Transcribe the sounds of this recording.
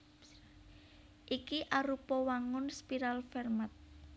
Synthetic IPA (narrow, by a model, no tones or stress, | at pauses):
ʔikiʔaɾupɔwaŋʊnspiɾalfɛrmat̪̚